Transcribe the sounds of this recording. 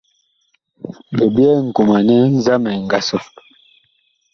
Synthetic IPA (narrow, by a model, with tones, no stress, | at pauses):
be˨bjɛ˦ŋ̩˨ku˨ma˨nɛ˦n˦za˦mɛ˨ŋ̩˨ɡa˨sɔ˦